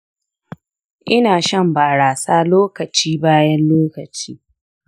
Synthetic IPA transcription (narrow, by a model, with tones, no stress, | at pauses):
ʔɪ˦naː˨ʃɐ˦˨mbaː˨ɽaː˨saː˦loː˦kɐ˨t͡ʃiː˦baː˦jɐ˦nloː˦kɐ˨t͡ʃḭː˦